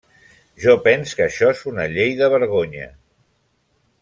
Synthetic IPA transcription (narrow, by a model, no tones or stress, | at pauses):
ʒɔpɛnskəʃɔezunəʎejðəβ̞əɾɣ̞oɲə̰